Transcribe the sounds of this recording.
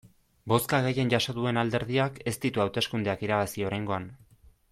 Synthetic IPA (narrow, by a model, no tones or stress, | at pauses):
bo̞skaɣe̞je̞nʝaso̞ðue̞nald̪e̞ɾðiake̞st̪it̪uawt̪e̞skund̪eakiɾaβasio̞ɾajŋɡo̞an